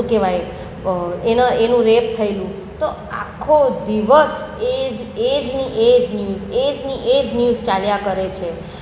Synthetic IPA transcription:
keʋaj | enoenũɾep̚t̪ʰəilũ | t̪o | a̰kʰːod̪iʋəsed͡ʒed͡ʒniʔed͡ʒnjuzed͡ʒniʔed͡ʒnjuzt͡ʃaljakəɾet͡ʃʰe

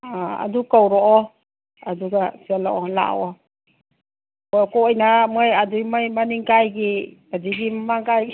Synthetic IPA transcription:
aa̰dukawɾɔʔɔ | aduɡasialɔʔɔla̰ɔ | kɔkɔɔjnamajadujmajmaniŋɡajɡi | adiɡimamaŋɡajɡ

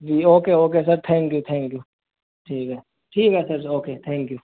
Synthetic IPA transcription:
d͡ʒiːoːkeːoːk̬eːs̬ɐɾt̪ʰɛ̃ːŋkjut̪ʰɛ̃ːŋkjuː | ʈʰiːkɦɛː | ʈʰiːkɦɛsɐɾoːkeːt̪ʰɛ̃ːŋkjuː

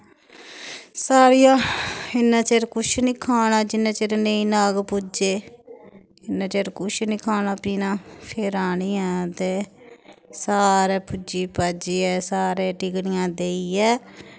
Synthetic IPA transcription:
saːɾijãːɪnːãːt͡ʃeːɾkʊʃnĩːkʰaːnaːd͡ʒɪnãːt͡ʃeɾnẽĩːnaːɡpʊd͡ʒeː | ɪnːãːt͡ʃeːɾkʊʃnĩːkʰaːnaːpiːnãːpʰeɾaːɳĩːɛ̃ːt̪eː | saːɾɛːpʊd͡ʒiːpaːd͡ʒiːɛːsaːɾeːʈɪɡɽɪjãːd̪eːiːɛː

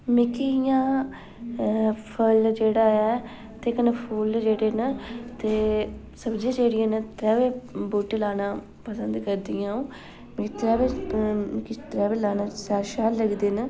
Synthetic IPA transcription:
mɪkijãː | pʰəld͡ʒeːɽaːɛː | t̪eːkənəpʰuːld͡ʒeːɽeːnət̪eː | səbd͡ʒãːd͡ʒeːɽɪjãːnət̪ɾɛːʋeːbuːʈlaːnãː | pəsənd̪kəɾd̪ɪjãːõː | mɪkit̪ɾɛːʋeː | kit̪ɾɛːʋelaːnãːsaːʃaːləɡd̪eːnə

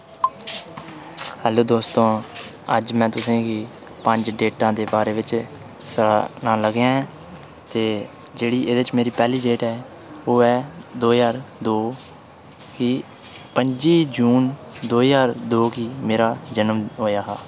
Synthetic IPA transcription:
hɛːloːd̪oːst̪õː | əd͡ʒmɛ̃ːt̪ʊsẽːɡiː | pəɲd͡ʒɖeːʈãːd̪eːbaːɾeːʋɪt͡ʃ | sənãːləɡjãːɛ | t̪eː | d͡ʒeːɽiːʔeːd̪eɪt͡ʃmeːɾiːpɛːliːɖeːʈɛː | oːɛːd̪oːjaːɾd̪oː | ki | pəɲd͡ʒiːd͡ʒuːn | d̪oːijaːɾd̪oːkiːmeːɾaːd͡ʒənmɦoːjaːɦaː

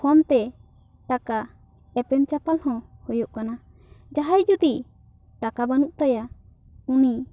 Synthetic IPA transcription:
hɔnt̪ɛ | ʈaka | ɛpɛmt͡ʃapalhɔ̃hɔjɔʔkana | d͡ʒaɦajd͡ʒud̪i | ʈakabanuʔ̚t̪aja | uni

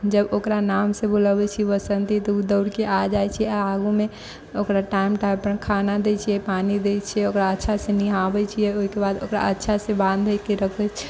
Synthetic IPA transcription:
d͡ʒəbokɾanamsẽbuləbɛt͡ʃʰiʋəsənt̪it̪ɔud̪əʊɾkeʔad͡ʒajt͡ʃʰiɛaaɡume | okɾaʈaimʈajpənkʰanad̪et͡ʃʰijɛpanid̪et͡ʃʰiɛokɾaətːʃʰasẽniɦãbɛt͡ʃʰijɛoɦikebad̪okɾa̰ətːʃʰasẽbãnd̪ʱɛkeɾəkʰɛt͡ʃʰ

